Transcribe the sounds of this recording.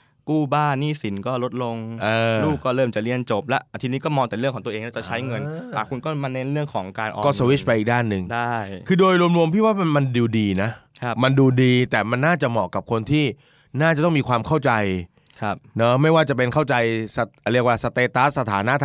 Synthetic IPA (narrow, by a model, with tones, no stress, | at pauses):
kuː˥˩baː˥˩niː˥˩si˩˦nkɔː˥˩lo˦˥t̪̚lo˧ŋʔɤː˧luː˥˩kkːɔː˥˩ɾɤː˥˩mt͡ɕa˨˩li˧ənt͡ɕo˨˩p̚lɛ˦˥ʔt̪ʰiː˧niː˦˥kɔː˥˩mɔː˧ŋt̪ɛː˨ɾɯ˥˩ŋʰkɔː˩˦t̪ʔeː˧ŋla˥˩t͡ɕa˨˩t͡ɕʰa˦˥jŋɤ˧naː˨˩kʰu˧nkɔː˥˩ma˧ne˦˥nɾɯ˥˩əŋkʰɔː˩˦ŋkaː˧nʔɔ̰ː˧kɔː˥˩so˧wi˦˥t͡ɕ̚ʰpa˧jʔi˨˩daː˥˩nːɯ˨˩ŋdaː˥˩jkʰɯː˧doː˧jɾu˧əmɾu˧əmp̪ʰiː˥˩waː˥˩˧ma˧nduː˧diː˧na˦˥kʰma˧nduː˧diː˧t̪ɛː˨˩ma˧nːaː˥˩t͡ɕa˨˩mɔː˨˩kːa˨˩p̚kʰo˧nt̪ʰiː˥˩ | naː˥˩t͡ɕa˨˩t̪ɔ˥˩ŋmiː˧kwaː˧mkʰa˥˩wt͡ɕa˧j | kʰa˦˧˩p̚nɔ˦˥ma˥˩jwaː˥˩t͡ɕa˨˩pe˧nkʰa˥˩wt͡ɕa˧jsa˧˩ɾi˥˩kwaː˧˥˩sa˧t̪eː˧t̪a˦˥sa˧t̪ʰaː˩˦na˦˥ʔt̪ʰ